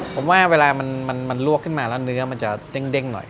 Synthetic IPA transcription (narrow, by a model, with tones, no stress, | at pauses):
pʰo˩˦mwaː˥˩weː˧laː˧ma˧nma˧nma˧nlu˥˩əkʰːɯ˥˩nmaː˧lɛː˦˥wnɯ˦˥ɐma˧nt͡ɕa̰˨˩de˦˧˩ŋde˧˥˩ŋnɔ̰˨˩j